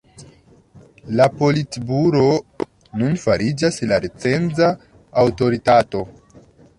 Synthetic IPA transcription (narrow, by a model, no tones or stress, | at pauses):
lapo̞litbuɾo̞ | nunfaɾid͡ʒaslaɾet͡se̞nd͡zaː | wto̞ɾitato̞